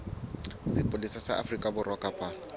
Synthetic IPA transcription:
sɪpʼʊlisasa̰ʔa̰frikʼabʊrwakʼapʼa

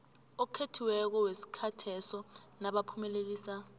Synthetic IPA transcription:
okʰetʰiwɛk̬ɔwesi̥kʰatʰɛsɔnaɓapʰumɛlek̬iːsa

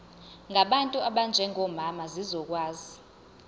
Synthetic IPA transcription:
ŋaɓantʼuaɓand͡ʒʱɛŋɔmamazizɔk̬ʼwaːzi

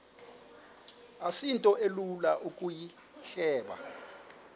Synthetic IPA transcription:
asintʼɔʔelulaʔukʼuji | ɬɛːɓa̰

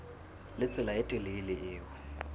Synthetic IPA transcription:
lɪt͡sʼɪlaɪtʼɛleilɪɪːwʊ

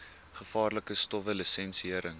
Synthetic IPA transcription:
χəfɑːrləkəstɔvəlisɛnsiiəɾəŋ

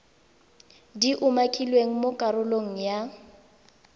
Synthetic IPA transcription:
diʔʊmakʼilweŋ̩mokʼaɾʊloŋ̩ja

